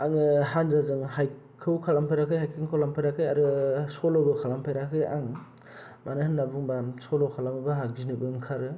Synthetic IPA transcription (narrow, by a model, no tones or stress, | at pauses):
aŋɯhanzazɯŋhaj | kʰɯwkʰalampʰajɾakʰɯjhajkʰɯŋkʰolampʰajɾakʰɯjaɾɯsɔlɔbɯkʰalampʰajɾakʰɯja̰ŋ | manɯhɯnːabuŋbasɔlɔkʰalamɯbɯɦak̚zinɯbɯŋkʰaɾɯ